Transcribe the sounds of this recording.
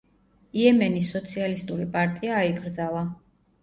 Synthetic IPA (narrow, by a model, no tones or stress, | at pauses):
iɛmɛnisːɔt̪sʰialist̪ʼuɾipʼaɾt̪ʼiaːiɡʼɾd̪zalˠa